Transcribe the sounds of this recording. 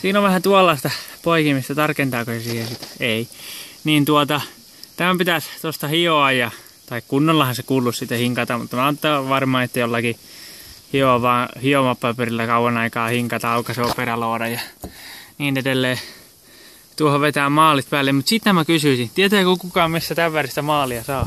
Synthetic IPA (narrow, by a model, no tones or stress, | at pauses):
siːnoʋʋæhænt̪uolːɑst̪ɑpoikimist̪æt̪ɑrkent̪ɑːkosesiːhesit̪einiːnt̪uot̪ɑ | t̪æmæpit̪æst̪ost̪ɑhioɑjjɑ | t̪ɑikkunːolːɑhɑsekuːlːussit̪ːæhiŋkɑt̪ɑmut̪ːɑmæɑːt̪ːɑʋɑrmɑːet̪ːæjolːɑki | hioɑʋɑːhiomɑpːɑpørilːækɑuʋɑnɑikɑːhiŋkɑt̪ɑɑukɑseoperɑloːdɑjɑ | niːnedelːeː | t̪uohoʋet̪æːmɑːlit̪pæːlːemmut̪sit̪næmækysyisit̪iet̪yækukukɑːmisːæt̪æʋʋærst̪æmɑːliɑsɑː